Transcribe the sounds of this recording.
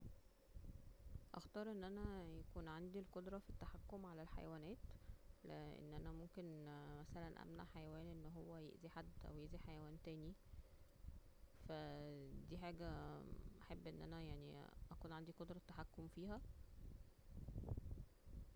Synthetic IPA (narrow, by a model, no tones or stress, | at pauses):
ʔæ̰xt̪ɑːɾˤʔenːʔænæjækuːnʕand̪ilqod̪ɾˤɑfit̪ːaħakːomʕalælħa̰jæwæːnæːt̪leʔḛnːʔænæmomkenmæsælænʔæ̰mna̰ʕħajæwæːnʔenːɦowːæjḛʔziħad̪ːæ̰wjeʔziħajæwæːnt̪æːni | fæd̪iːħaːɡæʔæħebːʔenːʔæ̰næjaʕnḭʔækuːnʕand̪ikod̪ɾˤɑt̪ːaħakːomfiːɦæ